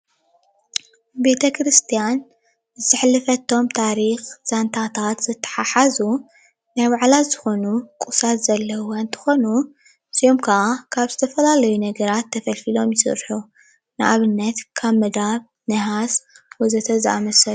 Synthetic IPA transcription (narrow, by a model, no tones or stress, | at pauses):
be̞t̪ʰɐkʰɾɨst̪ʰijan | zɨzɨħlːɨfɐt̪ʰo̞mt̪ʰaɾixz̥ant̪ʰat̪ʰat̪z̥ɨt̪ʰːɐ̥ħaħazu | najbaʕlaz̥ɨxo̞nukʼusat̪z̥ɐlːɐant̪ʰɨ̥xo̞nu | sijomkʰɐʔakʰaβzɨt̪ʰɐfɐlalɐjunɐɡɐɾat̪ʰːɐfɐlfilo̞mjɪsɨ̰ɾħu | nɨʔaβɨnːɐt̪kʰaβmɨd̪aβ | nɐɦaswojzɐt̪ʰɐzʔamɐsɐl